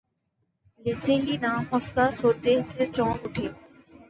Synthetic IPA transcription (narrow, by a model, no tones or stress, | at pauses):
let̪eːɦiːnaːmosk̪aːsoːt̪eːiset͡ʃɔ̃ːʊʈʰeː